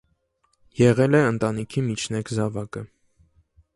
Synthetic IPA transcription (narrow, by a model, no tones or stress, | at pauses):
jɛʁɛlɛənt̪ɑnikʰimit͡ʃʰnɛkʰzɑvɑkə